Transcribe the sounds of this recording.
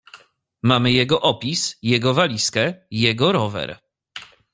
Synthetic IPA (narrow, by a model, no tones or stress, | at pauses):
mamɘjɛɡɔʔɔpʲisjɛɡɔvalʲiskɛijɛɡɔɾɔvɛ̰ɾ